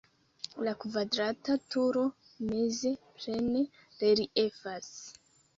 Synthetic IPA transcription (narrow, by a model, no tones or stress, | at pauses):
lakvadɾatatuɾo̞ | me̞ze̞plene | ɾeɾiʔe̞fas